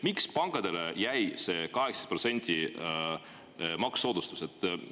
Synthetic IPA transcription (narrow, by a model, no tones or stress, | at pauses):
mikspɑŋkˑɑd̪̥e̞lejæjse̞ːkɑɦeksɑ̥spro̞t̪se̞nʲd̪̥ʲi | mɑksːo̞ːd̪ust̪uset̪ː